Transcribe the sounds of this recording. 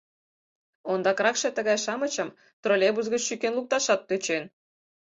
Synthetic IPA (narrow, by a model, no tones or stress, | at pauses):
ond̪ɑkɾɑkʃĕt̪ə̆ɣɑjʃɑmə̆t͡ɕə̆m | t̪rolʲebuzɡət͡ɕʃykʲenlˠuk̚t̪ɑʃɑt̪̚ːøt͡ɕen